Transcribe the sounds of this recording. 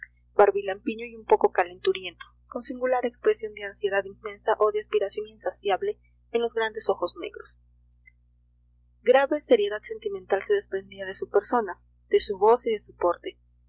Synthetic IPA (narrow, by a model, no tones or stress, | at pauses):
b̥aɾβilampiɲo̞iumpo̞ko̞kale̞nt̪uɾje̞nt̪oko̞nsiŋɡulaɾe̞kspɾe̞sjo̞nd̪e̞ansje̞ðaðinme̞nsaʔo̞ðeaspiɾasjo̞niensasjaβle̞ | enlo̞zɣɾand̪e̞so̞xo̞zne̞̰ɣɾo̞s | ɡɾaβe̞se̞ɾje̞ðaðse̞nt̪iment̪alseðe̞spɾe̞nd̪iaðe̞supe̞ɾso̞na | ðe̞suβo̞siðe̞supo̞ɾt̪e